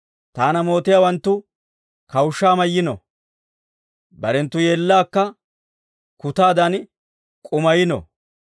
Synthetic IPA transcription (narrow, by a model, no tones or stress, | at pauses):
t̪aːnɐmo̞ːt̪ɪjaːwɐnt̪ːʊ | kɐwʊʃːaːmɐjːɪnɔ̰ | bɐɾɛnt̪ːʊje̞ːlːaːkːɐ | kʊt̪aːd̪ɐn | kʼʊmɐjɪnɔ̰